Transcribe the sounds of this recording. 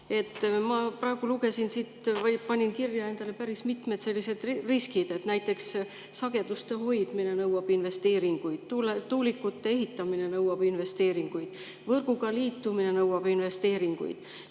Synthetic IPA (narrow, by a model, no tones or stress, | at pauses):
e̞t̪ːˑmɑprɑe̞ɡ̥uluɡe̞sinsit̪vpɑnʲinkirjɑe̞nd̪̥ɑle̞pæɾismit̪ˑmet̪se̞lːise̞d̪̥riskid̪̥e̞t̪næjt̪ːˑe̞ks | sɑɡ̥e̞d̪ust̪e̞ɦo̞jd̪̥mine̞nɤwɑb̥inve̞st̪e̞ːɾiŋɡ̥ujd̪̥t̪ult̪ːuːlikːˑut̪ːe̞eɦit̪ːˑɑmine̞nɤwɑb̥inve̞st̪e̞ːɾiŋɡ̥ujd̪̥ | vɤrɡ̥uɡɑliːt̪ːumine̞nɤwɑb̥inve̞st̪e̞ːɾiŋɡ̥ṵjd̪̥